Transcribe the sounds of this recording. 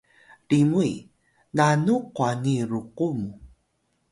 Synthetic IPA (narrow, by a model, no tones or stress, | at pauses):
ɖimuj | nanuqwaniɾuqumu